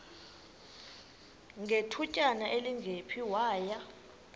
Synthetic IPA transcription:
ŋɡʱetʰucʼanaʔeliŋɡʱepʰiwaːja

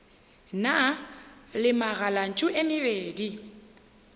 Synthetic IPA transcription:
na | lɪmaɣalan̩t͡ʃʼʊʔɪmɪbeːdi

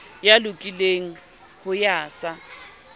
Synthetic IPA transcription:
jalʊkʼileŋ̩ | hʊjaːsa

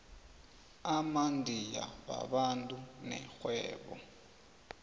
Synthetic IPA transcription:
amandʱija̰βa̰βantʼunɛxwɛːβɔ̰

